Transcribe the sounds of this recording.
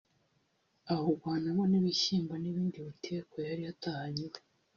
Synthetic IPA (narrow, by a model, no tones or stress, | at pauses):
ahoɾɡwaːnamoniβiʃiːmbaniβiːndiβutʰeːkojaɾijatahaɲiɾe